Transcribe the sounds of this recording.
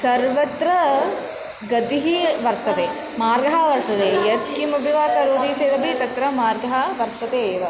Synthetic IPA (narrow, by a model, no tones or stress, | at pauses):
sɐɾʋɐt̪ɾɐ | ɡɐd̪iɦiʋɐɾt̪ɐt̪eː | maːɾɡɐɦɐʋɐɾt̪ɐt̪eːjɐt̪kimɐbʱiʋaːt̪ɐɾoːd̪iːseːd̪ɐbʱit̪ɐt̪ɾɐmaːɾɡɐɦɐʋɐɾt̪ɐt̪eːʋɐ